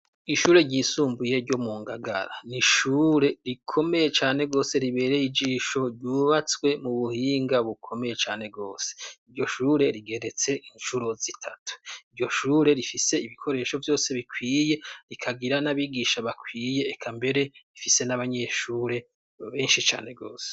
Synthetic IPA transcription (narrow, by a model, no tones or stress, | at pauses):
iʃuːɾe̞ɟiːsuːmbuje̞ɾɟo̞muːŋɡaɡa̰ɾa̰niʃuːɾe̞ɾikʰo̞me̞jet͡ʃaːne̞ɡo̞ːse̞ɾiβe̞ːɾejid͡ʒiːʃo̞ɾɟuːβat͡swe̞muβuhiːŋɡaβukʰo̞me̞je̞t͡ʃaːne̞bɡo̞̰ːse̥iɾɟo̞ʃuːɾe̞ɾiɡe̞ɾet͡se̞ʔint͡ʃuɾo̞zitʰatu̥iɾɟo̞ʃuːɾe̞ɾifise̞iβikʰo̞ɾe̞ːʃo̞vjo̞ːse̞βikwiːje̞ɾikʰaɡiɾanaβiɡiːʃaβakwiːje̞ːkʰambe̞ɾe̞βifise̞naβaɲe̞ʃuːɾe̞ | βe̞ːnʃit͡ʃa̰ːne̞ɡo̞̰ːse̥